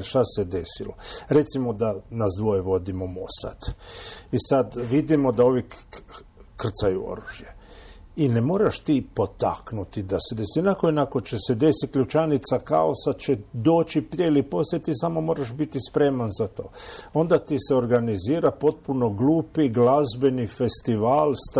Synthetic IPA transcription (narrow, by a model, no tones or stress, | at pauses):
ʃt̪ased̪e̞silo̞̰ɾe̞t̪simo̞d̪anazd̪ʋo̞jeʋo̞d̪imo̞mo̞sa̰t̪isad̪ʋid̪imo̞d̪ao̞ʋi | kr̩t̪sajuo̰ɾuʒje | inemo̞ːɾaʃt̪ipo̞t̪a̰knut̪id̪ased̪esinakoinako̞t͡ʃese̞d̪e̞sit̪̚kʎʲut͡ʃanit̪saka̰osat͡ʃed̪o̞ːt͡ʃipɾjeilipo̞sjet̪isamo̞mo̞ːɾaʃbit̪ispɾe̞ːmanzat̪o̞̰ːo̞nd̪at̪iseo̞ɾɡaniziːɾapo̞t̪̚puno̞ɡluːpiɡlazbe̞nife̞st̪iʋaːlst̪